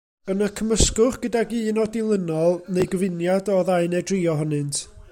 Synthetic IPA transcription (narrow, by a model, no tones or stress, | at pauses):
ənakʰəməskʊχɡ̥ədaɡiːnɔdilˠənɔlˠneɨɡəvɪnjadɔðaɨnɛdriːɔɦɔnɨntʰ